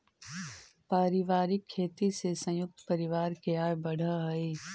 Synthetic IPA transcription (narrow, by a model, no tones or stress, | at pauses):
paːɾɪʋaːɾɪkʰːeːt̪isesɐ̃jʊk̚t̪pɐɾɪʋaːɾkeaːjbɐɽ̤aɦɐeː